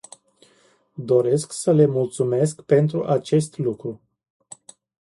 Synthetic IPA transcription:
d̪o̞ɾe̞sksəle̞mult̪sume̞skpe̞nt̪ɾuʔat͡ʃe̞st̪lukɾu

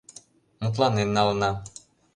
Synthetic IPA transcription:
mut̪̬lanenːalna

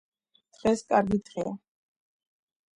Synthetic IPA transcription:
d̪̥ʁɛskʼaɾɡid̪ʼʁɛa

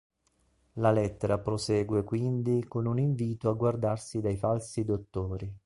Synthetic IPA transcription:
lalɛt̪ːeɾapɾosɛːɡwekwind̪ikonuniɱviːt̪oaɡward̪arsid̪ajfalsid̪ot̪ːoːɾi

